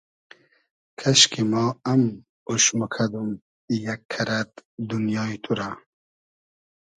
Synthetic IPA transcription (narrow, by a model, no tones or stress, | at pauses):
kʰaʃkimɔːam | uʃmukʰad̪um | ijakʰːaɾat̪̚d̪unjɑːit̪ʰuɾa